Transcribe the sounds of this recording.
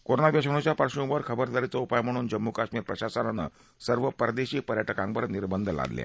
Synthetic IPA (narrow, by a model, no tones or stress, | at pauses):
koɾonaʋjaɕəɳ̃ot͡ɕjapəɾʂũʋəɾkʰəbəɾd̪aɾit͡səupajm̤əɽ̃uːnd͡ʑəmːukaɕmiːɾpɾəɕasənanə̰ | səɾʋəpəɾd̪eɕiːk̚pəɾjaʈəkãŋbəɾniɾbənd̪ʱəla̰d̪lja̰